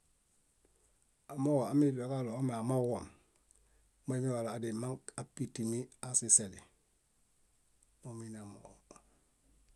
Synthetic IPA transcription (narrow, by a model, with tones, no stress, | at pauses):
a˨mo˦wa˨a˦mi˦dia˨ka˦lo˨o˦me˨a˨ma˦wa̰˨m | mo˦mi˦wa˨laː˨dema˦ŋka˨pitimi˦asiseli | mominamo